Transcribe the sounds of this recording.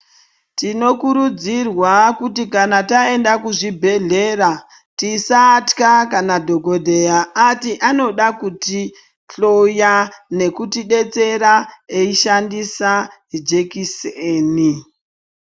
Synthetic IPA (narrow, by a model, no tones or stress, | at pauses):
tino̞kuɾud͡zirwakutikanatae̞ndakuʐibʱe̞ɮe̞ra | tisatkakanadʱo̞ɡo̞dʱe̞jaːtiʔano̞ɗakuti | ɬo̞jane̞kutiɗe̞t͡se̞ɾaeiʃandisad͡ʒe̞kiseːni